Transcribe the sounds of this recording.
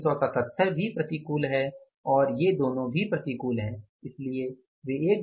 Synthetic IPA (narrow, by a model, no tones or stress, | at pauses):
sɔsɐt̪ət̪ʰːəɾbʱipɾɐt̪ikuːlɦɛ | ɔːɾjed̪oːnõbʱipɾɐt̪ikuːlɦɛ̃ː | ɪslie | ʋeeːk̚